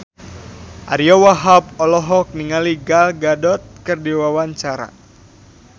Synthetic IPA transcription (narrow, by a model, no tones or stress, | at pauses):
ʔa̰ɾiɔwaɦap̚ɔlɔɦɔk̚niŋaliɡalɡadɔt̪̚kərdiwawaɲt͡ʃaɾa̰